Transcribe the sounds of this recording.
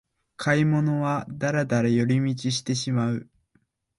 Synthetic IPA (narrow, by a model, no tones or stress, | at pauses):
kʰaimo̞no̞βad̪aɾad̪aɾajo̞ɾʲimʲit͡ɕiɕi̥t̪e̞ɕimaɯ̟